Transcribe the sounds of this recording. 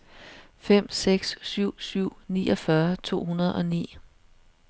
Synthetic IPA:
fem̰seɡ̥ssyʊ̰syʊ̰nḭːʔɒ̽fɶɐt͡sʰo̝̰ːɦunɐð̞ˠɒ̽nḭː

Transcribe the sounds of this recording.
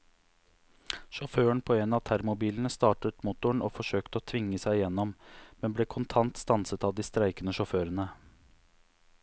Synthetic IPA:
ʃɔføːəɳpʰoːeːnɑːt̪ʰæɾmʊbiːlən̩əst̪ɑːʈət̪mʊt̪ʊɳoːfɔʂøːkt̪əoːt̪ʰʋɪŋːəsæɪɪjɛnːɔmmɛnbleːkʰʊnt̪ʰɑnt̪st̪ɑnsət̪ɑːʋd̪iːst̪ɾæɪkənəʂɔføːɾənə

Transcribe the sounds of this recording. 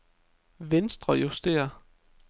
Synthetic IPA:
ʋensd̥ʁɐjusd̥e̝̰ːɐ

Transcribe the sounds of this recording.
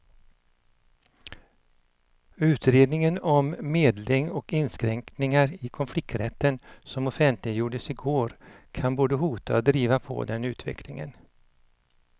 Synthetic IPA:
ʉ̟ːt̪ɾeːd̪nɪŋənɔmːeːd̪lɪŋɔkɪnːskɾɛŋknɪŋaɾɪkʰɔnflɪk̚t̪ɾɛt̪ːənsɔmɔfɛnt̪lɪjuːɖəsɪɡoːɾkʰanboːd̪əɦuːt̪ʰa̰ɔd̪ɾiːvapʰɔ̰d̪ɛnʉ̟ːt̪ʰvɛ̰kʰlɪŋə̰n

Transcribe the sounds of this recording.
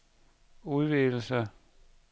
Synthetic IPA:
uðˠʋeɡl̩sə

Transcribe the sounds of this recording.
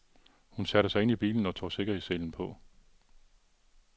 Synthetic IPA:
hunsæɾ̥əsɑɪe̝nib̥ḭːln̩ɒ̽t͡sʰo̰ːse̝ɡ̥ɐhese̝ln̩pʰɒ̽

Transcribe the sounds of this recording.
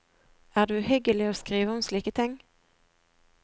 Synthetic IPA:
æɖɵhʏɡəlɪɔskɾiːvaɔmsliːkət̪ʰɪŋː

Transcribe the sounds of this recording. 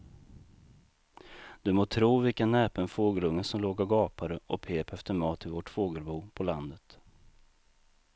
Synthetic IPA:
d̪̥ɵmoːt̪ʰɾuːvɪlkanɛːpənfoːɡəlɵŋːənsɔmloːɡaɾɡɑːpʰaɾəʔɔpʰeːpɛft̪əɾmɑːt̪ʰːɪlvɔʈfoːɡəlbuːpʰɔland̪ət̪

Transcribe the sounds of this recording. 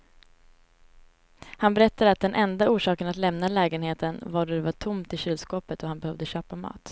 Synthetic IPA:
hanbɛɾɛt̪ːad̪əat̪̚d̪ɛnʔɛnd̪auːʂɑːkənat̪lɛmnalɛːɡənheːt̪ənvaɖɔd̪ɛvaʈʰʊmt̪ɪɕyːlskoːpət̪ɔhanbɛhœvd̪əɕøːpamɑ̰ːt̪

